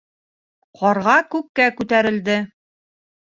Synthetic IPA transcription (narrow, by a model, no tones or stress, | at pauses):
qɒɾʁɑkʉkːækʉt̪æɾɘ̆ld̪ɘ